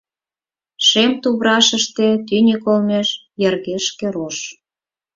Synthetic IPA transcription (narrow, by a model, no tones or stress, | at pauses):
ʃemt̪uβɾɑʃəʃt̪et̪ynʲekolmeʃ | jərɣeʃkeɾoʃ